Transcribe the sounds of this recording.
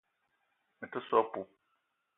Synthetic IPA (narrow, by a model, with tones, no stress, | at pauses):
mɪ̃˨tɪ˦sɔ˦pʊ˦